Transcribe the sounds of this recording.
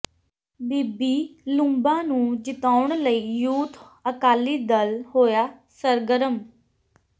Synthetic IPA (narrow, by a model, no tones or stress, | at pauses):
biːbiːlũmbãːnũːd͡ʒɪt̪aːʊɳləiːjuːt̪ʰ | əkaːliːd̪əlhoːjaːsəɾɡəɾəm